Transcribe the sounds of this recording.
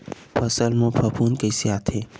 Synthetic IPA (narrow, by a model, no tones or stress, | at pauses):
pʰɐsəlmõpʰɐpʰuːnkesjaːt̪ʰeː